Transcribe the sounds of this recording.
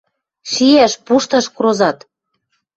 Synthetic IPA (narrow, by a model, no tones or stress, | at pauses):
ʃijæʃpuʃt̪ɑʃkɾozɑt̪